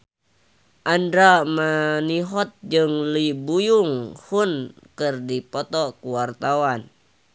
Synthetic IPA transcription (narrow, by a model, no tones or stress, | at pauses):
ʔandɾamaniɦɔt̪̚d͡ʒɨŋlibujuŋhun | kɨrdipɔt̪ɔkuwart̪awan